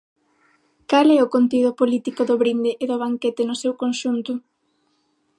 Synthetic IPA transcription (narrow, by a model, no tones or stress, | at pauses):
kalɛʊkont̪iðʊpolit̪ikʊðʊβɾind̪ɪʔːðʊβ̞aŋkɛt̪ɪnʊsewkonʃunt̪ʊ